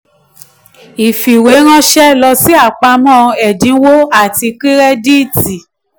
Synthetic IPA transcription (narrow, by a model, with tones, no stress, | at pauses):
i˨fi˨we˨˦ɾ̃ã˦ʃɛ˦lɔ˧si˦a˦˨k͡pa˧mɔ̃ː˦˨ɛ˨dĩ˨˦wo˦a˦˨ti˧ki˦ɾɛ˦di˦˨ti˨